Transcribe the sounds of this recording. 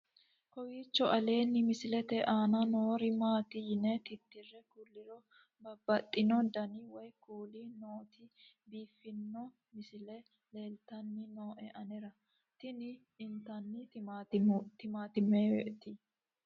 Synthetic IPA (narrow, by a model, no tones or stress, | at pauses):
kɔwiːt͡ʃːɔʔɐle̞ːnːɪmɪsɪlɛt̪ɛʔaːnɐnoːɾɪmaːt̪ɪjɪnɛt̪ɪt̪ːɪrːɛkʊlːɪɾɔ | bɐbːɐt̪ʼːɪnɔd̪ɐnɪwɔjkuːlinoːt̪ɪ | biːfːɪnːɔ | mɪsɪlɛ | leːlt̪ɐnːɪno̞ːʔɛʔɐnɛɾɐ | t̪ɪnɪ | ɪnt̪ɐnːɪ | t̪ɪmaːt̪ɪmet̪ɪ